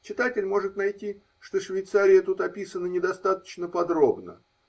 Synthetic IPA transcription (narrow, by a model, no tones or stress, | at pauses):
t͡ɕɪt̪atʲɪlʲmo̞ʐɨt̪nɐjtʲi | ʂt̪oʂvʲɪjt̪saɾʲɪjət̪ut̪ɐpʲisənənʲɪd̪ɐst̪at̪ə̥t͡ɕnəpɐd̪ɾo̞bnə̰